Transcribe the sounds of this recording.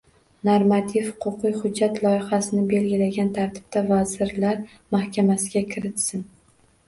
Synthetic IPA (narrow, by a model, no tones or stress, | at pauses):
noɾmat̪ʰɪfhʊ̥qʰʊqɨjhʊd͡ʒːat̪lˠɒjɪχasɪnɪbe̞lɡʲɪlaɡʲant̪ʰaɾt̪ʰɪ̥b̥̚t̪ʰavazɪɾlaɾ | mahkʲʰamasɪɡʲakʲʰɪɾɪt̪sɪn